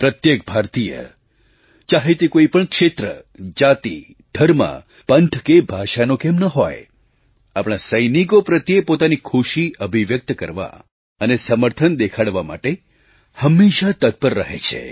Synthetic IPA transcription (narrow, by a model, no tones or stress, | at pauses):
pɾət̪jek̚bʱaɾt̪ijə̰ | t͡ʃaɦet̪ekoipəɳkʃet̪ɾəd͡ʒat̪ḭ | ɖ̪ʱəɾmã̰ | pənt̪ʰkebʱaʃanokemnəɦo̰j | apɽ̃asəjnikopɾət̪jepot̪anikʰuʃiəbʱiʋjək̚t̪kəɾʋa̰ | ənesəməɾt̪ʰənd̪ekʰaɽʋama̰ʈe | həmːeʃat̪ət̪̚pəɾːəɦḛt͡ʃʰḛ